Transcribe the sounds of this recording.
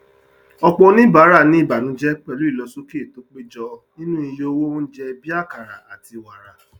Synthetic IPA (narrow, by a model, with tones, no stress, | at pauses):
ɔ˧k͡pɔ̃˧˦nĩ˦˨ba˨˦ɾa˦˨nĩ˦i˦˨ba˨nũ˨˦d͡ʒɛ˦k͡pɛ˦˨lu˨˦i˦˨lɔ˧so˦ki˦˨to˨˦k͡pe˦d͡ʒɔ˧˦nĩ˦nũ˦i˧jo˦˧wo˦wũ˦n̩˦d͡ʒɛ˦˧bi˦a˦˨ka˨ɾa˨a˨ti˧wa˨ɾa˨